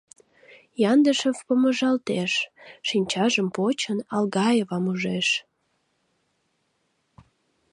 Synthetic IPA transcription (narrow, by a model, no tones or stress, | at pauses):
jɑnd̪əʃəvpəməʒɑlt̪eʃʃinʲt͡ɕɑʒəmpot͡ɕənɑlɣɑjevɑmuʒeʃ